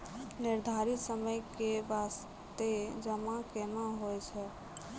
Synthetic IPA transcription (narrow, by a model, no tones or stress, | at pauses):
nɪɾd̪ʱaːɾɪt̪səməjkeʋaːs | t̪ed͡ʒəmãkemãɦoɛt͡ʃʰɛ